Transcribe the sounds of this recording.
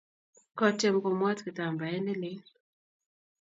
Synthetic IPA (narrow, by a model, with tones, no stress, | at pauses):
kɔ˨t͡ʃɛ˨mko˨mɔ˦tkɪ˨ta˨mba˨ɛ˦nɪ˦lɪ˦